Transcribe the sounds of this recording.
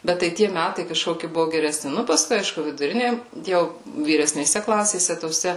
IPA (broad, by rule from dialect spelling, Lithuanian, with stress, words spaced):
ˈbʲɛt tɐɪ ˈtʲiɛ ˈmʲætɐɪ kɐˈʃkoːkʲɪ ˈbʊʋʊ ɡʲɛrʲɛˈsʲnʲɪ ˈnʊ pɐˈskʊɪ ˈɐɪʃkʊ ʋʲɪdʊˈrʲɪnʲeː ˈjɛʊ ʋʲiːrʲɛsʲnʲeːˈsʲɛ ˈklˠɑːsʲeːsʲɛ toːˈsʲɛ